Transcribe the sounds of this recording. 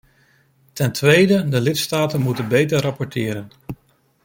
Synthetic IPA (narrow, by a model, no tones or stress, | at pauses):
tɛntʋejdədəlɪtstaːtənmutənbejtəɹrɑpɔɹtɪːɾən